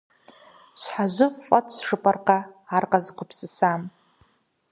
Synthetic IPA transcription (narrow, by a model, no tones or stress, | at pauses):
ʃʷħaʒʷʊfːʼatʰʼsʂɨpʼarqʼaːrqʼazqʰʷʊpʰsɨsam